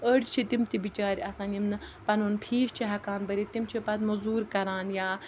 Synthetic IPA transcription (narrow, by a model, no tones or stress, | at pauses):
əːɽʲt͡ʃʰit̪imt̪ibit͡ʃaːɾʲiɐsãːnimnɨpɐnunpʰiːʃt͡ʃʰiɦɐkaːnbɐɾit̪imt͡ʃʰipɐd̪mɐzuːɾkɐɾaːnjaː